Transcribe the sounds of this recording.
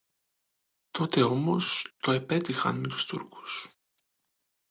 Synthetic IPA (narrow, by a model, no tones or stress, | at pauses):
t̪o̞t̪e̞o̞mo̞st̪o̞epe̞t̪ixɐ̰nme̞t̪u̥st̪ṵɾku̥s